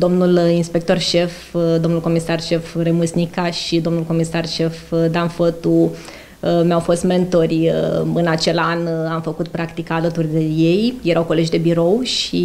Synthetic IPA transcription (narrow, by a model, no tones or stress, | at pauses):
d̪o̞mnulinspe̞k̚t̪o̞rʃe̞f | d̪o̞mnulkomisarʃe̞fremusnikaʃid̪o̞mnulko̞misarʃe̞fd̪anfət̪u | mjawfo̞st̪me̞nt̪o̞rʲəɨnat͡ʃe̞lanamfəkut̪pɾakt̪ikaːlət̪urʲd̪e̞je̞jjeɾʔawko̞le̞d͡ʒd̪e̞biɾo̞wʃi